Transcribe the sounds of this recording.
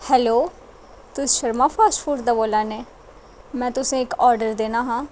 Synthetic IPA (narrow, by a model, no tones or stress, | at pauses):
hɛːloː | t̪ʊsʃəɾmaːpʰaːsʈpʰuɾɖd̪aːboːlaːneː | mɛ̃ːt̪ʊsẽːɪkɔːɾɖəɾd̪eːnaːɦãː